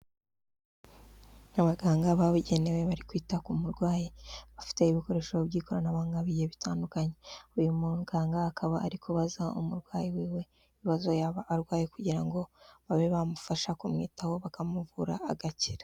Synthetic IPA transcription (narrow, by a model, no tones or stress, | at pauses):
naβaɡaːŋɡaβaβuɟe̞ne̞we̞βaɾikwiːtakumuɾɡwaːjiβafi̥te̞iβiko̞ɾeʃoβbɟiːko̞ɾanaβaːŋɡaβijeβitʰaːndukaɲe̞ujumuɡaːŋɡaːkʰaβaːɾikʰoβazaṵmuɾɡwaːjiwiːwe̞ | iiβazo̞jaβaʔːɾɡwaːjekuɟiɾaŋɡo̞βaβeβamufaʃakumŋḭːtaho̞βakamuvuɾaːɡaciɾḁ